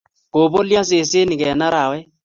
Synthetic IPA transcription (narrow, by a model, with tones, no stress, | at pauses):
ko˨bo˦ljɔ̃˦s̬e˨se˦ni˨kɛ˨na˦ɾa˨wɛ˦